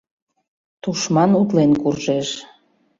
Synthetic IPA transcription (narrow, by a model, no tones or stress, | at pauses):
t̪uʃmɑnut̪lenkurʒeʃ